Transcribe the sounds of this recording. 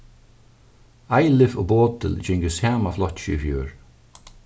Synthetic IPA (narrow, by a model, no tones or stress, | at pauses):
ajlɪvʊ̰boːd̪ə̰ld͡ʒɪŋɡəsjaːmaflɔt̪ʃḭfjuːɹ